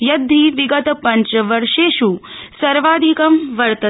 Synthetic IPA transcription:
jɐd̪ʱːiʋiɡɐt̪ɐpɐɲt͡ʃɐʋɐɾʂeːʃusɐɾʋaːd̪ʱikɐmʋɐɾt̪ɐ

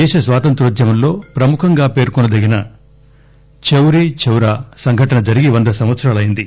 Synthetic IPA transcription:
ɛːʃɐsʋaːt̪ɐnt̪ɾuɾɐd͡ʒ̪jɐmɐnlo̞ːpɾɐmukʰɐŋɡaːpe̞ːɾkɔnɐd̪ɐɡinɐ | t͡ʃewɾit͡ʃewɾaːsɐŋɡʱɐʈɐnɐd͡ʒɐɾiɡiʋɐnd̪ɐsɐmʋɐt̪sɐɾaːlɐjind̪i

